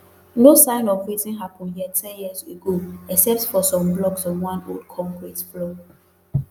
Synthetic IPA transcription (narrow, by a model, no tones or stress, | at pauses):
nosãɪ̃nɔvɹizĩnɦapə̃njɛtʰɛjiseɡoɛksɛp̚tfɔsɔ̃mblɔɡsɔ̃nwãnoldkʰɔ̃mkɹitb̥lɔɡ